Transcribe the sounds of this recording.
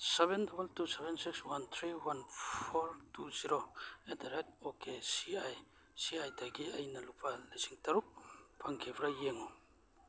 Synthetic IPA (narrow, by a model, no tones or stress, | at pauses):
sebendobɐltusebensikswant̪ʰɾiwanppʰoɾtuziɾoedaɾek̚t̚okʰesiaj | siajdaɡiɐjnɐlupʰalisiŋtaɾuk̚pʰaŋkʰebɾajeŋɔ